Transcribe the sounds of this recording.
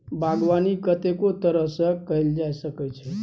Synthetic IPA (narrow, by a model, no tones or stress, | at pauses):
bʱaɡʋanikət̪ekot̪əɾəɦsəkəɦild͡ʒajsəkɛt͡ʃʰɛ